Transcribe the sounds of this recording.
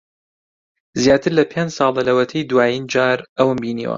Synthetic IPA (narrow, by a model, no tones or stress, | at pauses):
zjaːt̪ʰɨɾlɐpʰend͡ʒsɑːlˠɐlɐwɐt̪ʰɐjd̪waːjind͡ʒaːɾɐwɨmbiːnḭwɐ̰